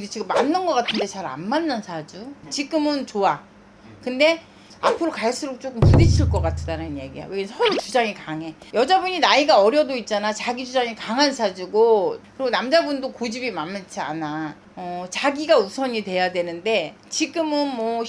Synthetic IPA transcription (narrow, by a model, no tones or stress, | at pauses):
dit͡ɕiɡɯmːanːɯnɡʌk͈atʰɯnde̞t͡ɕaɾa̰nmanːɯnsʰad͡ʑut͡ɕiɡɯmɯnt͡ɕoa | kɯnde̞ | a̰pʰɯɾokaɭs͈uɾok̚t͡ɕ͈ok͈ɯmpuɾiɕʰiɭk͈ʌk͈atʰɯdaɾanɯnjḛɡia̰weɡsʰʌɾot͡ɕud͡ʑaŋikaŋɦe̞jʌd͡ʑabuɲinaiɡaʌɾjʌdoit̚t͡ɕ͈anat͡ɕaɡid͡ʑud͡ʑaŋikaŋɦansʰad͡ʑiɡokɯɾiɡonamd͡ʑabundokod͡ʑibimanmːɯt͡ɕʰia̰na | ʌt͡ɕaɡiɡausʰʌɲitwe̞jadwe̞nɯnde̞ | t͡ɕiɡɯmɯnmwʌ